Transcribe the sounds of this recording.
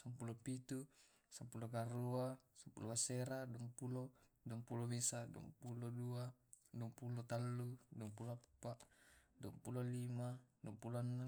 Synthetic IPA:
sampulopit̪u | sampulokaɾuasampṵlokaseɾaduampuloduampulomisadṵɔ̰mpuloduaduompulot̪alːuduɔmpuloapːaʔduɔmpulolimaduompulɔanːa

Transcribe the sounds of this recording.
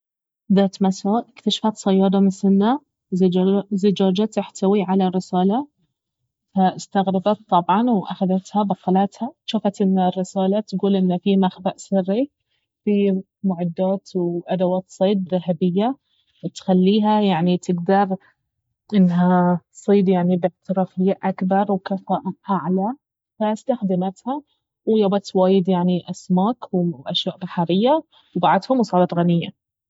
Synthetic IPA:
d̪aːt̪masaːʔɪkt̪aʃḁfat̪sˤɑjːɑːd̪ˤɑmɪnsɪnːa | zɪd͡ʒaːd͡ʒat̪ːɪħt̪ʰawiʕalarːɪsaːla | faɪst̪aɣɾɑbat̪ˤːɑbʕɑnwʔaxaðat̪habaxalat̪haʃaːfat̪ʔɪnːarːɪsaːlat̪ɡuːlʔɪnːafimaxbaʔsɪrːi | fi | mʊʕad̪ːaːt̪wʔad̪awaːt̪sˤeːd̪̚ɾˤɑɦabɪjːa | wɪt̪xalːiːɦajaʕnit̪ʰɪɡd̪ɑɾˤ | ʔɪnːɦat̪sˤiːd̪jaʕnibɪʕt̪ɪɾɑːfɪjːaʔakbɑɾˤwkafaːʔɪʔaʕla | fast̪axd̪ɪmat̪ha | wjabat̪waːjɪd̪jaʕniʔasmaːkwʔaʃjaːʔbaħaɾɪjːa | wbaʕad̪hʊmwsˤɑːɾˤɑt̪ɣanɪjːa̰

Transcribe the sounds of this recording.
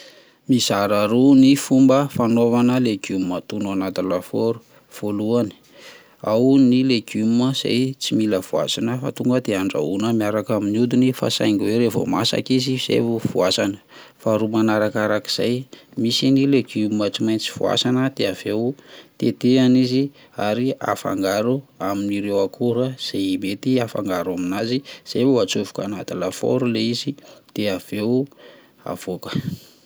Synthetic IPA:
mizaɾaɾunifumbəfanovanəleɡummət̪unanat̪ilafoɾu̥ | v̥oluani̥ | awnileɡuməz̥a̰jt͡similəvua̰sanəfa̰t̪uŋɡəd̪eaɳɖ͡ʐa̰unəmiaɾakaminud̪inifa̰sa̰jŋɡweɾevo̰masa̰kiziiz̥ḛvuv̥uasanə̥faɾumanaɾakaɾaki̥z̥a̰jmisinileɡumaʈ͡ʂimajnt͡si̥v̥ṵa̰sanəd̪eav̥ewt̪et̪eanizi | aɾia̰fa̰ŋɡaɾuaminiɾewakʰuɾəz̥emet̪iafa̰ŋɡaɾuaminaziz̥evuat͡suvukanat̪alafo̰ɾuleizid̪̥eav̥ew | a̰v̥okə̥

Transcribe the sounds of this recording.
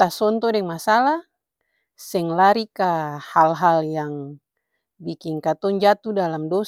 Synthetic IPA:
t̪asɔnt̪ɔdɛŋmasala | sɛŋlaɾikahalɦaljaŋ | bikiŋkat̪ɔnd͡ʒat̪udalamdɔ

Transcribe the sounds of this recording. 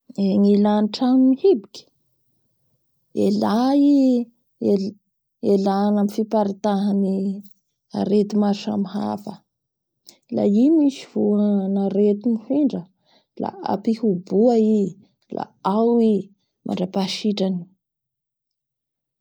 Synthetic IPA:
eŋilaniʈ͡ʂaŋimihibikʲi̥ | elai | e | elaːnamifipaɾit̪aɦani | a̰ɾet̪imaʃa̰mɦa̰fə | la̰imisivuanaɾet̪inihiɳɖ͡ʐə | la̰a̰pihubuai | lʔa̰awi | mʔa̰ɳɖ͡ʐapaʃiʈ͡ʂani̥

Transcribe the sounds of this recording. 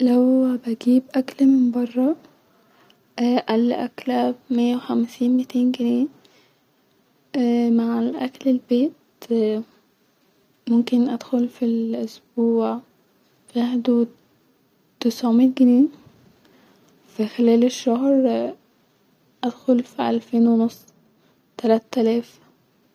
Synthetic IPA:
læwbæɡiːbʔæklmɪnbɑrˤːɑ | ʔʔælːʔæklæmejːæwexæmsiːnmit̪eːnɡɪniː | maʕlʔæklelbeːt̪ | momkenʔæd̪̥xolfilʔosbuːʕ | fiʔaħd̪ud̪ | t̪ɪsʕomiːt̪̚ɡɪniː | fixelæːleʃːohɾ | ʔæd̪xolfiʔælfeːnwenosˤː | t̪ælæːt̪ːælæːf

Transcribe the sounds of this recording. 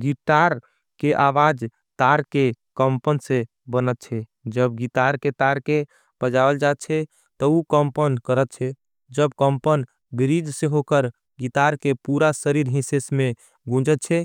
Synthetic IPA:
ɡiʈaɾ | keʔaʋad͡ʒ | t̪aɾkekəmpənsẽ | bənət̪̚t͡ʃʰɛd͡ʒəbɡit̪aɾket̪aɾke | b̥əd͡ʒabəld͡ʒat̪̚t͡ʃʰɛ | t̪ɔukəmpənkəɾət̪̚t͡ʃʰɛ | d͡ʒəbkəmpən | biɾid͡ʒsẽɦokəɾ | ɡit̪aɾkepuɾasəɾiɾɦĩsesme | ɡũd͡ʒət̪̚t͡ʃʰɛ

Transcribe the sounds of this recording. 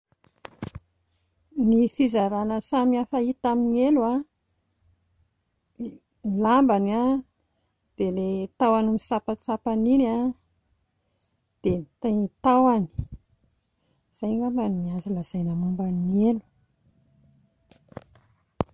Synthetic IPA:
nisizaɾanəsamiafait̪aminielua | milambana | d̪̥elet̪awanumisapat͡sapanina | d̪̥et̪ait̪awani̥ | z̥ajlambanimiazilazajnamambaninielu̥

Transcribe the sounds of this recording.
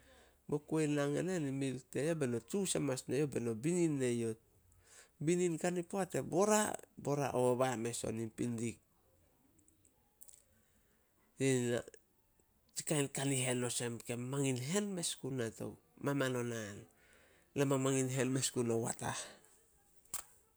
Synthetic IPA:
bo̞kuenaŋenenimilte̞jobe̞no̞tusemasne̞jo̞be̞no̞bininːe̞jo̞t̚ | bininkanipoate̞bo̞ɾa̰bo̞ɾa̰ʔoβame̞so̞̰nipindik̚ | jena̰ | t͡ʃi̥kajnkaniɦe̞no̞se̞mke̞maŋinɦe̞nme̞skunato̞̰ | mamano̞nan | lamamaŋinɦe̞nme̞skunowa̰ta̰h

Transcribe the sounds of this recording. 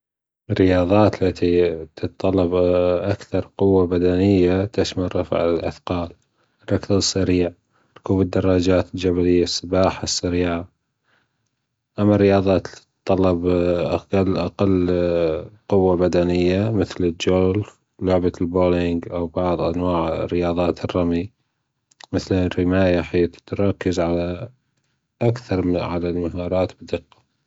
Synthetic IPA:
rːɪjɑːðˤɑːt̪lat̪it̪ʰɨt̪t̪ˤːɑlːɑbʔakθɑɾˤqʊwːabad̪anɪjːat̪aʃmaɾˤɾˤɑfʕɪ̰lʔa̰θqɑːl | rˤːɑkðɨsːaɾiːʕ | tkuːbəd̪ːɑrˤːɑːd͡ʒaːt̪ɪld͡ʒaβalɪjːasˤːɑbɑːħasːaɾiːʕa | ʔamːarːɪjɑːðˤɑːt̪tt̪ˤːɑlːɑbʔqalːʔaqalː | qʊwːabad̪anɪjːamɪθlɪld͡ʒoːl | lʊʕbalboːlɪŋɡʔawbɑʕðˤʔa̰nwaːʕrːɪjɑːðˤɑːt̪ʰrˤːɑmi | mɪθlrɪmaːjaħiːt̪t̪ɾˤɑkːɪzʕala | ʔakθɑɾˤʕalalmaɦɑːɾˤɑːt̪bɪd̪ɨqːɑ̥

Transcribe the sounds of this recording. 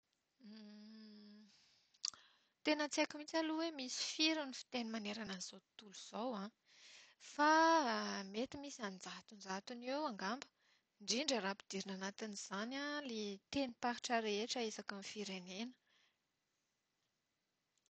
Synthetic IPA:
t̪enət͡sekimit͡saluwemisi̥fiɾunifi̥t̪enimaneɾananiz̥ot̪uluz̥owã | fa | met̪imisianid͡zaɦt̪und͡zaɦt̪unewaŋɡambə̥ | ɳɖ͡ʐiɳɖ͡ʐəɾapid̪iɾinanat̪iniz̥analet̪enipaɦi̥ʈ͡ʂaɾeeʈ͡ʂəesakamfiɾenenə̥

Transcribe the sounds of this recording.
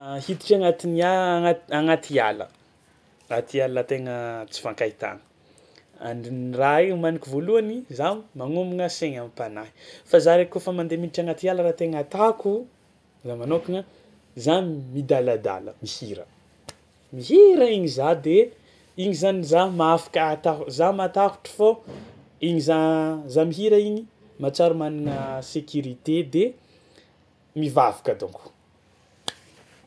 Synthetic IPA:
hit̪i̥ʈ͡ʂaŋat̪iniaaaŋat̪ia̰lə̰ | rat̪ialaat̪eŋət͡si̥faŋkait̪a̰ŋə̥ | a̰nnraeumanikʲivoluanizanimaŋumuŋəseɲamipanai̥fazaɾekofəmand̪eminiʈ͡ʂaŋat̪ialəɾat̪eŋat̪aku | zamanokiɲa | zanimid̪alad̪a̰lə̰mihiɾə | miɦiɾəiɲizad̪e | iɲizanizamaafḁkət̪azamat̪aku̥ʈ͡ʂə̥fo | iɲizazamiɦiɾaiɲi | mat͡saɾumaniŋəsekʲuɾit̪ed̪e | mivavḁkad̪o̰ŋku̥

